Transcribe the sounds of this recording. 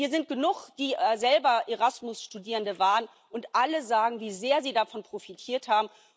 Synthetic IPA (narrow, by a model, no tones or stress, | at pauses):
viːɐzɪnt̚ɡ̥ənʊχd̥iːzɛlbɐʔeʁasmʊsʃtudiːʁəndəvaːʁən | ʊntʔaləzaːɡŋ̩viːzeːɐziːdafɔnpʁ̥ofitʰiːɐthaːbm̩